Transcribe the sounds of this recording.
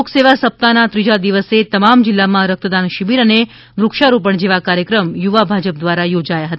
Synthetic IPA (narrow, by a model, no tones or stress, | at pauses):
okseʋasəp̚t̪anat̪ɾid͡ʒad̪iʋəset̪əmamd͡ʒilːamãɾək̚t̪əd̪anʃibiɾəne | ʋɾukʃaɾũp̬əɳd͡ʒeʋakaɾjəkɾəmjuʋabʱad͡ʒəp̚d̪ʋaɾajod͡ʒajaɦət̪a